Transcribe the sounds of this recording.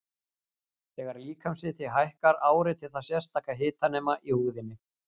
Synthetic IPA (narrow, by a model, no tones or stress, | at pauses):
θɛːɣaɾliːkamsɪt̪ʰɪɦajhkaɾaːwɾɪt̪ʰɪlθasjɛ̥st̪aːhkaɦɪːt̪anɛːmaʔihuːðɪnːɪ